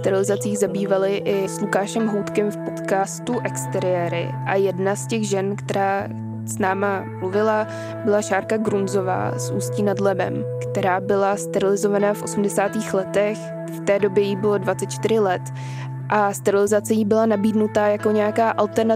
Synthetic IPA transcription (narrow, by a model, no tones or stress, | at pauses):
st̪ɛɾɪlɪzat͡siːɣzabiːvalɪʔɪslukaːʃɛmɦowt̪kɛmfpo̞t̪kaːst̪uʔɛkst̪ɛɾɪjɛːɾɪ̰ | ʔajɛdnascɛɣʒɛnkt̪ɛɾaː | snaːmamluvɪla | bɪlaʃaːɾkaɡɾunzo̞va̰ːsʔṵːsciːnadlɛbɛ̰mkt̪ɛɾaːbɪlast̪ɛɾɪlɪzo̞vanaːfʔo̞sumdɛsaːt̪iːxlɛt̪ɛx | ft̪ɛːdo̞bjɛjibɪlo̞dvat͡sɛt̪t͡ʃt̪ɪɾ̝ɪlɛt̪ | ʔast̪ɛɾɪlɪzat͡sɛjiːbɪlanabiːdnut̪ajako̞ɲɛjakaːʔalt̪ɛɾna